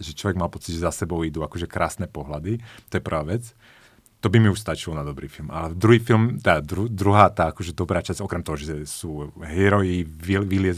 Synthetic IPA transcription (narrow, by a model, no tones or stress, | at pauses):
ʒɛt͡ʃlɔʋɛɡmalpɔt͡siɟʒɛzasɛbɔʊid̪uːakɔʒɛkɾaːsnɛːpɔɦlad̪it̪ɔjɛpr̩ʋaːʋɛt͡s | t̪ɔbimiuʃst̪at͡ʃilɔnad̪ɔbɾiːfilmad̪ɾuɦiːfilmt̪ad̪ɾud̪ɾuɦaːt̪aːakɔʒɛd̪ɔbɾaːt͡ʃaz̥ɔkɾɛmt̪ɔɦɔʒɛsuːɦiɛɾɔjiiʋilɪɛz